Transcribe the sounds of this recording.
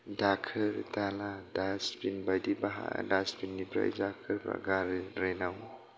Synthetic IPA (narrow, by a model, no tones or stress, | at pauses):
dakʰɯɾtaladaspinbajdibaɦa̰daspinːipɾa̰ḭzakʰɯɾpɾa̰ɡaɾeɾenaw